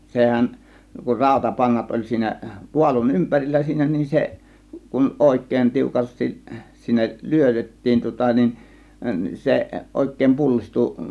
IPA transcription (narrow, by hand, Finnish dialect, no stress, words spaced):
sehæˑn kur rɑˑo̝tɑpɑnːɑt olʲ siːnæ puɑlun ympærilːæ siːnæ nin se kun oˑe̝kˑeˑĭn tiukɑstis sinːek lyøtetːiːn tŭŏtɑ nin se ʔoˑe̝kˑeˑĭm pulːistu